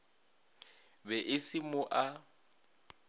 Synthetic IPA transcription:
bɛʔɪsɪmʊʔa

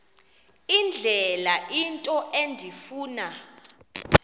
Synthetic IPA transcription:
ind͡ɮʱɛlaʔintʼɔʔendʱifuːna

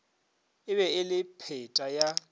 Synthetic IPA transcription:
ɪβɛɪlɪpʰɛtʼaja

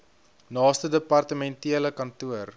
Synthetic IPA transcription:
nɑːstədəpɐrtəmɛntiələkɐntuər

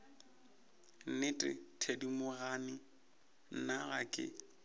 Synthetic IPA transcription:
nɪtʼɪ̰tʰedimʊɣanɪ | n̩naɣakʼɪ̰

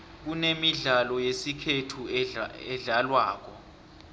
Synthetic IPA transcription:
k̬unemiɮalɔjesikʰetʰuɛɮalwaːk̬ɔ

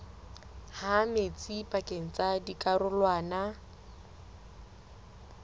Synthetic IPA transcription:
hamet͡sʼipʼakʼeŋ̩t͡sadikʼarʊlwaːna

